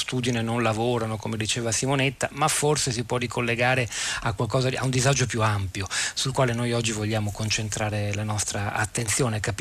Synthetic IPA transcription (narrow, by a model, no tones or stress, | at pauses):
st̪uːd̪inenonlavoːɾanokomed̪it͡ʃeːvasimonet̪ːamafːorses̬ipwɔrikʰolːeɡaːɾeakwalkɔːzaa̰und̪izad͡ʒopjuampjosulkwaːlenojɔd͡ʒːivoʎːaːmokont͡ʃent̪ɾaːɾelanɔst̪ɾaa̰t̪ːent̪sjoːnekap